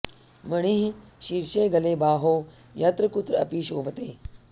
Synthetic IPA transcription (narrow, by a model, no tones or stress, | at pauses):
mɐɳ̃iɦʃiːɾʃẽːɡɐlẽːbaːɦoː | jɐt̪ɾəkʊt̪ɾɐ̰piːʃoːbət̪eː